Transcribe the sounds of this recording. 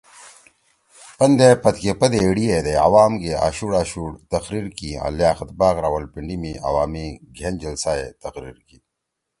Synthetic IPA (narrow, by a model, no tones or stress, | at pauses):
pɐnd̪epɐt̪kepɐd̪eːɽied̪ea̰waːmɡeʔa̰ːɕuɽaːɕuɽt̪ɐqɾiɾkia̰ːljaːxɐt̪baːɣɾawɐlpiɳɖimiɐ̰waːmiɡʱend͡ʑɐlsaːḛt̪ɐqɾḭːɾki